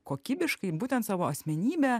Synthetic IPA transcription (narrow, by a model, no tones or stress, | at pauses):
koːkʲiːbʲɪʃkɐɪbuːt̪ʲɛnt̪sɑːʋoːɐsʲmʲɛnʲiːbʲɛ